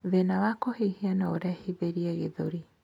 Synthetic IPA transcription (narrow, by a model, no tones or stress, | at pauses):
ðenawakoheihianaoɾɛhibeɾiɛɣeðoɾi